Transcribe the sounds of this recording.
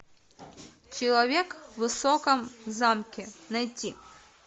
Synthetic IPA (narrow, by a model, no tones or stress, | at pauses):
t͡ʃilˠɐʋʲikʋɪsɔkɔmzɑmkʲinɐjtʲːi